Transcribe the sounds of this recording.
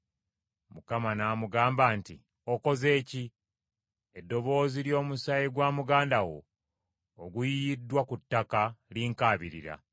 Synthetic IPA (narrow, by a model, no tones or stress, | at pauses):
mukamanaːmuɡaːmbanti | oko̞ze̞ːci | edːo̞βo̞ːziljo̞ːmusaiɡwaːmuɡaːndawo̞̰ː | ɡujiidːwakutːakaliŋkaːβiɾiɾa̰